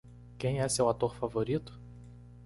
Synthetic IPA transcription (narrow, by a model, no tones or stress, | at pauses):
kẽj̃ɛsewat̪oɾfavoɾit̪ʊ̥